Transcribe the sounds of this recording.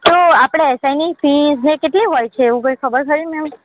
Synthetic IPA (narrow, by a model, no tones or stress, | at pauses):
t̪oapɽ̃eɛsainifiznekeʈliɦojt͡ʃʰeːʋũkəjkʰəbəɾkəɾinɛm